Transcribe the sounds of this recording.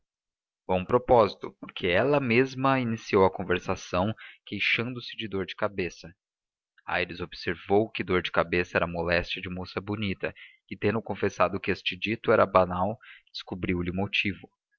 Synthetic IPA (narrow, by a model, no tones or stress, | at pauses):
vɐ̃w̃ũpɾopɔzit̪ʊpoɾkʰeɛlɐmezmɐinisiowɐkõveɾsasɐ̃w̃kejʃɐ̃nd̪ʊsɪ̥d͡ʒɪd̪oɾd͡ʒɪkabesɐ | a̰jɾɪzobseɾvowkɪd̪oɾd͡ʒɪkabesɐɛɾɐmolɛst͡ʃɐd͡ʒɪmosɐbunit̪ɐ̰ | ɪt̪ẽnd̪ʊ̃kõfesad̪ʊkɪest͡ʃɪd͡ʒit̪ʊɛɾɐbanawd͡ʒ̥ɪskubɾiwlɪũmot͡ʃivʊ